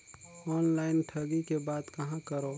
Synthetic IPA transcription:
ɔːnlaːɪnʈʰəɡikebaːd̪kɐɦãkəɾoː

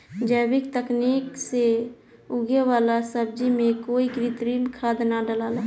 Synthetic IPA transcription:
d͡ʒəːbɪk̚t̪əkniːkse | ʊɡewaːlasəb̚d͡ʒimẽkoːikɾɪt̪ɾiːnkʰaːd̪naɖəlaːlaː

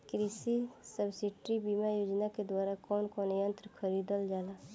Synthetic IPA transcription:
kɾisisəbsɪʈɾibimajoːd͡ʒnaked̪waːɾakɔːnkɔːnjə̃nt̪ɾəkʰəɾiːd̪əld͡ʒaːla

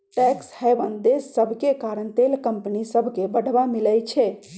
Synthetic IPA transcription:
ʈɛkshəbənd̪esːəbʱkekaɾənt̪elkəmpnisəbʱkebəɽ̤ʱbamiləjt͡ʃʰɛ

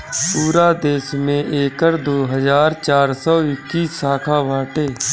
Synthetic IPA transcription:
puːɾaːd̪eːsmẽʔeːkəɾd̪oːɦəzaːɾt͡ʃaːɾsɔːɪkːiːsaːkʰaːʋaːʈeː

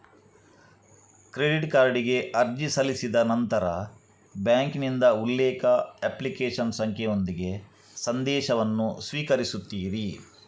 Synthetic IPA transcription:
kɾeɖiʈkaːɾɽiɡe̞ʔɐɾd͡ʒisɐlisid̪ɐnɐnt̪ɐɾɐ | bjaːŋknind̪ɐulːɛːkɐeplikeːʂɐnsɐŋkʰjejo̞nd̪iɡe̞ | sɐnd̪ɛːʃɐʋɐnːusʋiːkɐɾisut̪ːiːɾi

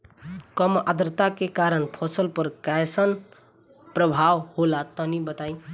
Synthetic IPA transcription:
kʌma̰d̪ɾt̪akekaɾənpʰɔsəlpʌɾkajsən | pɾʌbʱawholat̪ʌnibʌt̪aj̃

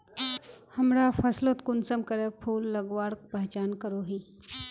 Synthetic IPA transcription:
hɐmɾapʰɐslot̪kunsəmkəɾepʰuːlːəɡʋaːɾk̚pəɦt͡ʃaːnkəɾoɦi

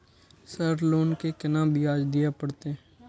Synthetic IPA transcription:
səɾloːnkekɪnãbʱiaːd͡ʒd̪ɪjapəɽt̪e

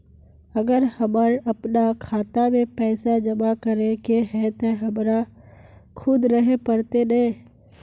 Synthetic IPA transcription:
əɡəɾhəməɾəpnakʰaːt̪amẽpɛːsad͡ʒəmakəɾekeɦɛt̪oɦəmɾa | kʰʊd̪ɾəɦepəɾt̪ene

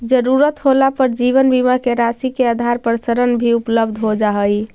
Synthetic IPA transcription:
d͡ʒəɾuɾət̪ɦolapəɾd͡ʒiβənbimakeɾasikeəd̪ʱaɾpəɾsəɾənbʱiupləbd̪ʱɦod͡ʒaɦəj

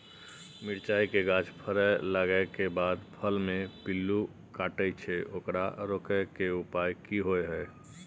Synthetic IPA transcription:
miɾt͡ʃaikeɡãt͡ʃpʰəɾələɡəekebad̪pʰəlmẽpilːu | kaʈət͡ʃʰɛʔoːkɾa̰ɾokəkeupajkiɦoeɦə

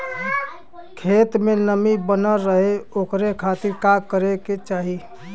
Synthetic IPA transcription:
kʰeːt̪menəmibənəɾəɦeokɾekʰat̪iɾkaɡkəɾeket͡ʃaːɦi

